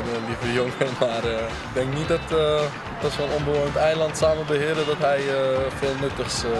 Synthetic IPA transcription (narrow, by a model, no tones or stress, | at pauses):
livəjoŋəmaːrə | ɪɡ̚dɛŋknit̚dɑtə | tɑtsonɔnbəɹʋojəntɛjlɑntsaːməbəɦɪːɾdədɑtɦɛjəfɪːlˠnɵtəs